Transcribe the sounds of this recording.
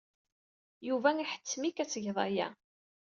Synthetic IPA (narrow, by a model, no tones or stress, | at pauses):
juvæŋiħə̥t͡sːmikæt͡sːəʝðˤæ̰jæ̰